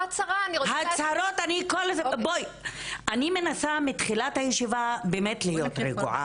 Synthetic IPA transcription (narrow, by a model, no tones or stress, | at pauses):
at͡saʁaniohat͡saɾotanikolzebojanimenasamitχilathajeʃivabeːmetlijo̞t̪ɾeɡṵʕa̰